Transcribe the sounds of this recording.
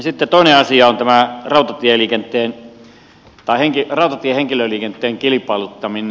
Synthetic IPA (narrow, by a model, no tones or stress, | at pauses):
sit̪ːet̪oˑineɑsiɑont̪æmærɑˑut̪ɑt̪ieliːkent̪ˑeːn | t̪ɑˑiheŋkirɑˑut̪ɑt̪ieheŋkiløliːkent̪ːˑeːŋkilipɑˑlut̪ːɑmin